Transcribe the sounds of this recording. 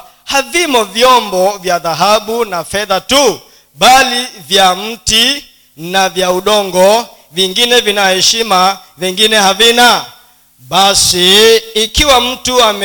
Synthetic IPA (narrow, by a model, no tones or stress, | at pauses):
havimɔvjɔmbɔvjaðaɦaɓunafɛðatu | ɓalivjam̩ti | navjauɗɔŋɡɔ | viŋɡinɛvinahɛʃima | viŋɡinɛhavina | ɓasiːkiwam̩tuamɛ